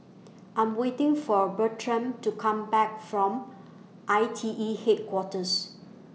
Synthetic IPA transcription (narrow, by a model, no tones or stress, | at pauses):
ʔãɪ̃mwetɪ̃ŋfɔbətʰɹə̃mtukʰãmbɛk̚fɹɔ̃m | ʔaɪtʰiʔihet̚kʰwɔtəs